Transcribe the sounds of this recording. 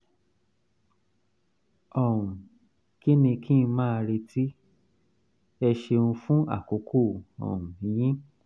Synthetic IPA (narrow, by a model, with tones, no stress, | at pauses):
ɔ˨ũ˨ | ki˦nĩ˧kʰĩ˦˧mãː˦˧ɾi˧ti˦ | ɛ˧ʃe˧ũ˧fũ˦ʔa̰˦˨ko˨˦kʰo˦˨ɔ̰˨ũ˨jĩ˦